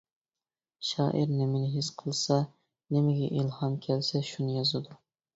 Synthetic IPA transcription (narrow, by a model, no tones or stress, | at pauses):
ʃɑ̰ːʔiɾnɪmɪnɪɦisqʰəlˠsɑ | nɪmɪɡʲɛʔilˠhɑmkʲʰɛlsɛʃunɨjɑzɨd̪u